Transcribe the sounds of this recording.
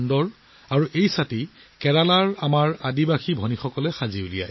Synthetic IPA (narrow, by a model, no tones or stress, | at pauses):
ndɔɹ | aɹuʔejsati | kɛɹalaɹamaɹadibaxʰibʱɔnixɔkɔlɛxaziulija̰j